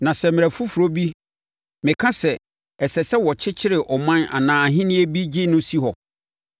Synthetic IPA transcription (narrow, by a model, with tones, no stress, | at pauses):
nã˨sɛ˨mɪ̃˨æ˨fu˦fu˨ɾo˦bi˦ | mɪ̃˨kʰã˦sɛ˨ | ɛ˨sɛ˨sɛ˦wɔ˨t͡ɕʰɪ˦t͡ɕʰɪ˦ɾɪ˨ʔɔ˨mã˦na̰˨nãː˨ɦɪ̃˦nɪ̃˦e˦bi˦d͡ʑɪ˦nʊ̃˦si˦ɦɔ˨